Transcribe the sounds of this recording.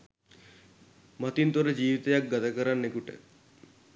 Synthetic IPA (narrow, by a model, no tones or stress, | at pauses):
mat̪int̪oɾəd͡ʒiːʋit̪əjak̚ɡat̪akəɾanːekuʈə̰